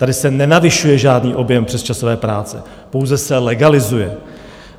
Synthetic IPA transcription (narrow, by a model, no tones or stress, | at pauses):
t̪adɪsɛnɛnavɪʃujɛʒaːdniːʔo̞bjɛmpr̝̥ɛst͡ʃasovɛːpɾaːt͡sɛ̰ | po̞wzɛsɛlɛɡalɪzujɛ